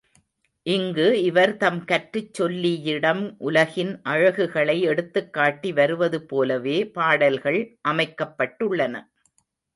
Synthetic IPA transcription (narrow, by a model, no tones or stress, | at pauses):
ʔɪŋɡɯɪʋɐɾt̪ɐmkɐʈrɯt͡ʃːɔlːijɪɽɐmʔʊlɐɣɪnʔɐɻɐɣɯɣɐɭɐɪɛɽɯt̪ːɯkːaːʈːiʋɐɾɯʋɐðɯpoːlɐʋeːpaːɽɐlɣɐɭʔɐmɐɪkːɐpːɐʈːɯɭːɐnɐ̰